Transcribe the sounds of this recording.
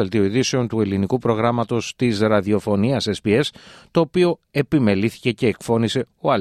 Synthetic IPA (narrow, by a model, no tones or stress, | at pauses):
elt̪ioiðise̞o̞nt̪ue̞linikupɾo̞ɣɾɐmɐt̪o̞st̪isɾɐðio̞fo̞niɐsespie̞st̪o̞ːpio̞e̞pime̞liθi̥ce̞ce̞ːkfo̞nise̞ | o̞ɐl